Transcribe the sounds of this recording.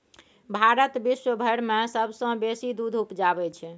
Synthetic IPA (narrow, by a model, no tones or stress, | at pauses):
bʱaɾət̪biʃwəbʱəɽmesəbsə̃besid̪ud̪ʱupd͡ʒabɛt͡ʃʰ